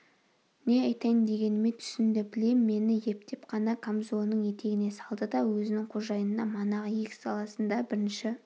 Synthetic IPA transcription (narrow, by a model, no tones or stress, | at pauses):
ne̞ɑjt̪ɑjənd̪e̞ɡʲe̞nɪme̞t̪ʰʏ̥sɪnd̪ɪbɪle̞mːe̞nɪje̞p̚t̪e̞pqʰɑnɑkʰamzo̞nːəɴje̞t̪e̞ɡʲɪne̞sɑlˠd̪əd̪ɑwɵzɪnɪŋqʰoʒɑjənd̪ɑmɑnɑʁəjekʲɪ̥sɑlˠɑsənd̪ɑbɪɾɪnʃɪ